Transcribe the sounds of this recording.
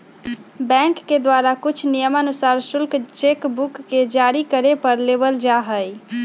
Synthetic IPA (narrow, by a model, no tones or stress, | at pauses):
bɛ̃ŋkːed̪waɾakut͡ʃʰnijəmənusaɾsulkt͡ʃekbukːed͡ʒaɾikəɾepəɾlebəld͡ʒaɦəj